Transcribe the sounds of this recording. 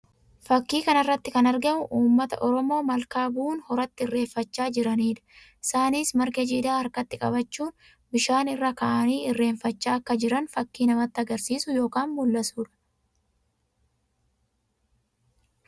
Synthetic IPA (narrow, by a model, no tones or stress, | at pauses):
fɐkːiːkɐnɐrːɐt̪ːɪkɐnɐɾɡɐmʊʔuːmːɐt̪ɐ̰ʔɔɾɔmo̞ːmɐlkaːbuːnhɔɾɐt̪ːɪɪrːe̞ːfːɐt͡ʃːaːd͡ʒɪɾɐniːᶑ̪ɐ̥ | ɪsaːniːsmɐɾkɛd͡ʒiːd̪aːɐɾkɐt̪ːɪkʼɐ̰bɐt͡ʃːuːn | bɪʃaːnɪrːɐkɐʔɐniːɪrːe̞ːɱfɐt͡ʃːaːɐkːɐd͡ʒɪɾɐnfɐkːiːnɐmɐt̪ːɪɐɡɐɾsiːsʊjo̞ːkaːnmʊlːɐsuːᶑɐ̥